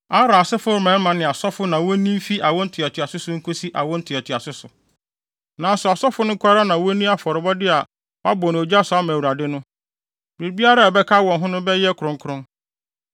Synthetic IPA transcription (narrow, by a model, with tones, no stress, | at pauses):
a˦ɾa˨sɪ˦fʊ˦ɾmɛ̃˨˦n˦mã˨nɪ̃˨a˨sɔ˦fʊ˦nã˨wo˦nĩ˦m˦fi˦ʔa˨wɔ̃˦n̩˦tʰɪ˨a˨tʰɪ˨a˨sʊ˦sʊ˦ŋ̩˦kʰo˦si˦ʔa˨wɔ̃˦n̩˦tʰɪ˨a˨tʰɪ˨a˨sʊ˦sʊ˨ | nã˨˦sʊ˨a˨sɔ˦fʊ˦nʊ̃˦kʰʷa˦ɾa˦nã˨wɔ˦nĩ˦a˨fɔ˨ɾɪ˨bɔ˦dɪ˦a˨ | wa˦bɔ˨ñ˨o˨d͡ʑa˦sʊ˨˦a˦m̃ː˨wu˨ɾa˨dɪ˦nʊ̃˦ | bɾi˨bi˦a˦ɾa˦˨bɛ˦kʰa˦wɔ̃˨nɦʊ̃˦nʊ̃˦bɛ˦jɛ˦kʰɾʊ̃˦ŋ˦kʰʊ˨ɾʊ̃˦n